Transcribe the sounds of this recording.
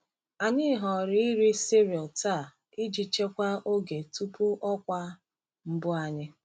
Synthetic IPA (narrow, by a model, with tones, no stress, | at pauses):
a˨ɲɪ˦ɦɔ˨ɾɪ˦i˦ɾi˦si˦ɾi˨ɔ˨lta˦˨ | i˦d͡ʒi˨t͡ʃe˦kʷa˦ʔo˦ɡe˨tu˦pu˦ʔɔ˦kʷa˦ | m̩˦bʊ˦a˨ɲɪ˦